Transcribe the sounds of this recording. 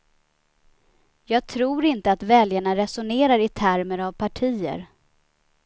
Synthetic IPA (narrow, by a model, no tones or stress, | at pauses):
jɑːɡ̚t̪ʰɾuːɾɪnt̪əat̪vɛljaɳaɾɛsʊneːɾaɾɪt̪ʰæɾməɾavpʰaʈʰiːə̰ɾ